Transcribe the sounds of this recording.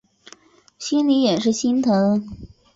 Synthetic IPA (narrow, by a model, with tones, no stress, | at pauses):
ɕi˥nli˧˥jɛ˨˩nʂɻ̩˥˩ɕi˥nt̪ʰɤ˧˥˧